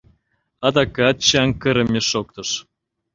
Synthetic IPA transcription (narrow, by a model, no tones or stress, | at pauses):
ɑd̪ɑkɑt̪̚t͡ɕɑŋkə̆ɾə̆mʲeʃok̚t̪ɤ̆ʃ